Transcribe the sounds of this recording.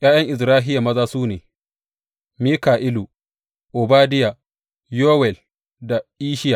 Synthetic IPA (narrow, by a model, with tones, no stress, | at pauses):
ʔj̰aː˦jɐ˦ŋʔɪ˨sɾaː˦ɦɪ˦ja˨mɐ˦zaː˦suː˦neː˨ | miː˦kaː˨ʔɪ˦lu˨ | ʔʊ˨baː˦dɪ˦ja˨ | joː˦wɛ˨l | da˨ʔiː˦ʃɪ˦ja˨